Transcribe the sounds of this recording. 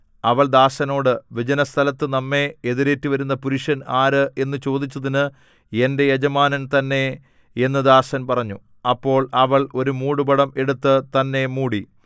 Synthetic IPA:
ɐʋɐɭd̪aːɕɐno̞ːɽɨʋid͡ʑɐnɐst̪ʰɐlɐt̪ːɨnɐmːe̞eðiɾe̞ːtːiʋɐɾunːɐpuɾiʂɐnaːɾɨe̞nːɨt͡ɕo̞ːd̪it͡ɕːɐðinɨ | ende̞jed͡ʑɐmaːnɐnt̪ɐnːe̞ | e̞nːɨd̪aːɕɐnpɐrɐɲːu | ɐpːo̞ːɭɐʋɐɭo̞ɾumuːɽubɐɽɐme̞ɽut̪ːɨt̪ɐnːe̞muːɽi

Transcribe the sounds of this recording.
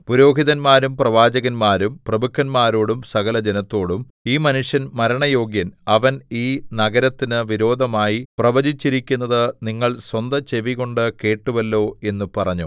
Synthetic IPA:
puɾo̞ːɡʱiðɐnmaːɾumprɐʋaːd͡ʑɐɣɐnmaːɾumprɐbukʰːɐnmaːɾo̞ːɽumsɐɣɐlɐd͡ʑenɐt̪ːo̞ːɽum | iːmɐnuʂjɐnmɐɾɐɳɐjo̞ːɡjɐnɐʋɐniːnɐɡɐɾɐt̪ːinɨʋiɾo̞ːd̪ʱɐmaːjiprɐʋɐd͡ʑit͡ɕːiɾikʲːunːɐðɨniŋːɐɭswɐnd̪ɐt͡ɕe̞ʋiɣo̞ɳɖɨke̞ːʈːuʋɐlːo̞ːe̞nːupɐrɐɲːu

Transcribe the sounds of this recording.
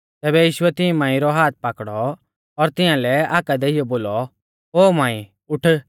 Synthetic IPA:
t̪ɛːbɛjiːʃʊɛt̪ɪ̃mãːĩɾɔɦaːt̪̚ʰpakɽɔ | ɔɾt̪ɪjãlɛaːkad̪ɛɪjɔboːlɔ | ɦoːmãːĩ | ʊʈʰə

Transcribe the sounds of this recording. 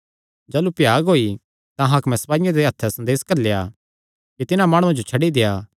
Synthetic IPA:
d͡ʒaːlupɪjaːɡɦoːi | t̪ãɦɐkmɛ̃sɐpaːijãd̪eɦɐt̪ʰːɛsɐ̃nd̪eːskɐɾleːa̰ | kit̪ɪnãmaːɽ̃ũãd͡ʒot͡ʃʰɐɽid̪ejaː

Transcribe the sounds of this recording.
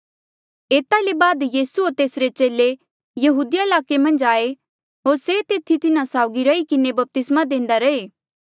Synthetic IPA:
eːt̪alebaːd̪jiːsuoɾt̪eːsɾet͡ʃeːle | jɐɦuːd̪ɪjaɪlaːkemɐ̃nd͡ʒaːe | ɦoːɾset̪eːt̪ʰit̪ɪnasaːʊɡiɾɐikɪnebɐp̚t̪ɪsmad̪ẽːnd̪aɾɐeː

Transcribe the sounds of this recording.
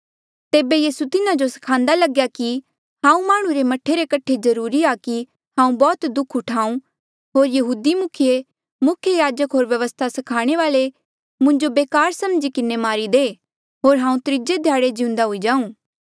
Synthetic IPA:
t̪eːbejiːsut̪ɪnad͡ʒosɐ̥kʰãːnd̪alɐɡjaki | ɦãːũmaːɽ̃ũɾemɐʈʰːeɾekɐʈʰezɐɾuːɾiaki | ɦãːũbɔːt̪d̪ʊkʰʊʈʰaːũ | ɦoːɾjɐɦuːd̪imʊkʰije | mʊkʰjəjaːd͡ʒəkɦoːɾʋjɐʋəst̪ʰasɐkʰaːɽ̃eʋaːle | mʊ̃ɲd͡ʒobeːkaːɾsɐmd͡ʒikɪnemaːɾid̪eː | ɦoːɾɦãːũt̪ɾɪd͡ʒed̪ʱjaːɽed͡ʒɪʊ̃nd̪aɦʊid͡ʒãːũː

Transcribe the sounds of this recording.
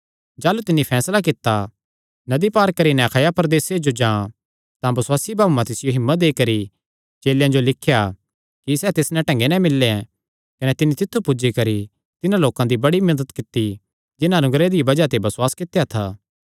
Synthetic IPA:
d͡ʒaːlut̪ɪnːipʰɛːslak̬ɪt̪ːa | nɐd̪ipaːɾkɐɾinɛ̃ɐkʰaːjapɾɐd̪eːsed͡ʒod͡ʒãː | t̪ãbɐswaːsibʱaːbumãt̪ɪsɪjoɦɪmːət̪̚d̪eːkɐɾi | t͡ʃeːljãd͡ʒolɪkʰja | kisɛːt̪ɪsnɛ̃ʈɛ̃ŋɡenɛ̃mɪlːẽ | kɐnɛt̪ɪnːit̪ɪt̪ʰːupʊd͡ʒikɐɾi | t̪ɪnãloːkãd̪ibɐɽimɐɾd̪ət̪kɪt̪ːi | d͡ʒɪnãɐnʊɡɾed̪ibɐd͡ʒat̪ebɐsʊwaːskɪt̪ːejat̪ʰaː

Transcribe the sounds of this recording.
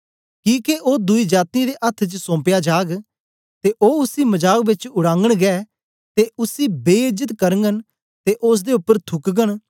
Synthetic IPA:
kĩːkeʔoːd̪ʊiːd͡ʒaːt̪nĩd̪eːʔɐt̪ʰːt͡ʃsõːmpjad͡ʒaːɡ | t̪eʔoːʊsiːməd͡ʒaːkbɪt͡ʃʊɽãːŋɡəɽ̃ɡɛː | t̪eʊsiːbeːɪd͡ʒət̪kəɾəŋɡən | t̪eʔʊs̬d̪eʊpːəɾt̪ʰʊkɡəɳ

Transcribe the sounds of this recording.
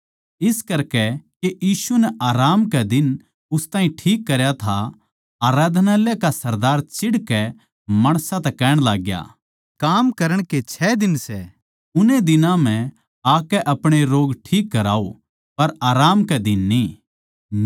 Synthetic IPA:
ɪskɐɾkɛkeʔjiːsunɛʔaːɾaːmkɛd̪ɪn | ʊst̪aːĩʈʰiːkːɐɾjat̪ʰa | aːɾaːd̪ʱnaːlekasɐɾd̪aːɾt͡ʃɪɽkɛ | mɐɽ̃sat̪ɛkɛːɽ̃laːɡja̰ː | kaːmkɐɾəɽ̃ket͡ʃʰɛːd̪ɪnsɛ | ʊned̪ɪnãm̤ɛ̃ | aːkɛʔɐpɽ̃eɾoːɡʈʰiːkːɐɾa̰ːo | pɐɾaːɾaːmkɛd̪ɪnːiː

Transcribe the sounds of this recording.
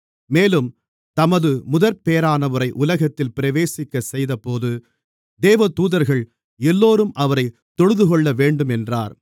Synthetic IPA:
meːlɯm | t̪ɐmɐðɯmʊðɐɾpeːɐɾaːnɐʋɯɾɐɪʔʊlɐɣɐt̪ːɪlpɪɾɐʋeːsɪkːɐsɛjðɐpoːðɯ | d̪eːʋɐt̪uːðɐɾɣɐɭ | ɛlːoːɾɯmʔɐʋɐɾɐɪ | t̪ːɔɻɯðɯkɔɭːɐʋeːɳɖɯmɛndraːɾ

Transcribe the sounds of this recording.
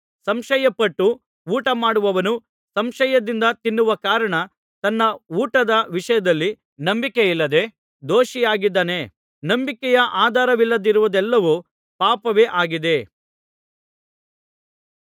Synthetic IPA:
sɐmʃɐjɐpɐʈːu | uːʈɐmaːɽuʋɐʋɐnu | sɐmʃɐjɐd̪ind̪ɐt̪inːuʋɐkaːɾɐɳɐ | t̪ɐnːɐuːʈɐd̪ɐʋiʂɐjɐd̪ɐlːi | nɐmbikeilːɐd̪e̞ | d̪oːʃijaːɡid̪ːaːne̞ | nɐmbikɛjɐʔaːd̪ʱaːɾɐʋilːɐd̪iɾuʋɐd̪ɛlːɐʋu | paːpɐʋe̞ːʔaːɡid̪e̞

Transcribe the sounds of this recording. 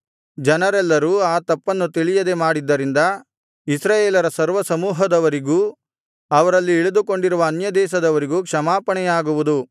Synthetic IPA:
d͡ʒɐnɐɾɛlːɐɾuːaːt̪ɐpːɐnːut̪iɭijɐd̪e̞maːɽid̪ːɐɾind̪ɐ | isɾaːjeːlɐɾɐsɐɾʋɐsɐmuːɦɐd̪ɐʋɐɾiɡuː | ɐʋɐɾɐlːiːɭud̪uko̞ɳɖiɾuʋɐːnjɐd̪ɛːʃɐd̪ɐʋɐɾiɡuːkʂɐmaːpɐɳɛjaːɡuʋud̪u

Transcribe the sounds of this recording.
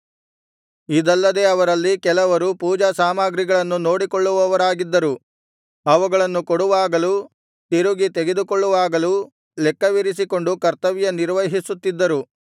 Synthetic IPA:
id̪ɐlːɐd̪e̞ːɐʋɐɾɐlːikɛlɐʋɐɾupuːd͡ʒɐsaːmaːɡɾiɡɐɭɐnːuno̞ːɽikoɭːuʋɐʋɐɾaːɡid̪ːɐɾu | ɐʋuɡɐɭɐnːukoɽuʋaːɡɐlu | t̪iɾuɡit̪eɡe̞d̪ukoɭːuʋaːɡɐlu | lɛkːɐʋiɾis̬iko̞ɳɖukɐɾt̪ɐʋjɐniɾʋɐɦisut̪ːid̪ːɐɾu

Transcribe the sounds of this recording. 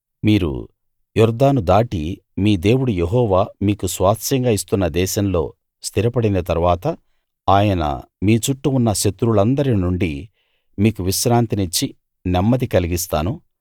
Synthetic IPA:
miːɾṵ | juɾd̪aːnud̪aːʈi | miːd̪e̞ːwuɽujeɦɔːʋaːmiːkusʋaːt̪ʃɐŋɡaːist̪unːɐd̪ɛːʃɐmlo̞̰ː | st̪ʰiɾɐpɐɽinɐt̪ɐɾuʋaːt̪ɐ | aːjɐnɐ̰ | miːt͡ʃuʈːuunːɐʃɐt̪ɾuɭɐnd̪ɐɾinuɳɖi | miːkuʋiʃɾaːnt̪init͡ʃːi | nɛmːɐd̪ikɐliɡist̪aːnu

